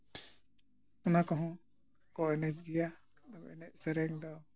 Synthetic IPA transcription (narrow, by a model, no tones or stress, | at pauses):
ɔnakɔɦɔ̃ | kɔɛnɛd͡ʒɡɛja | d̪ɔbɛnɛʔ̚sɛɾɛŋd̪ɔ